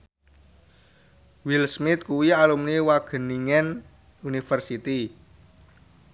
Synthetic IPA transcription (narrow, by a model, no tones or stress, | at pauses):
wilsmɪt̪̚kuwialumniwaɡ̥ə̤niŋɛn | unifərsit̪i